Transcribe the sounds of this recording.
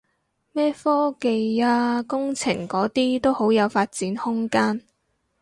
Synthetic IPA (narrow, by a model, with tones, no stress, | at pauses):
mɛː˥fɔː˥ke˨jaː˧kʊ˥ŋt͡sʰɪ̰˨˩ŋkɔː˨˥t̪iː˥t̪o˥who˨˥wjɐ˨˧wfaː˧t̚t͡siː˨˥nhʊ˥ŋkaː˥n